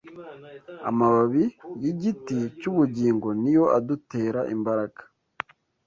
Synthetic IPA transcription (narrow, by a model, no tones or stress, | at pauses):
a̰maβaβijiɟiticuβuɟiːŋɡo̞nijo̞adute̞ːɾaʔḭmbaɾaɡḁ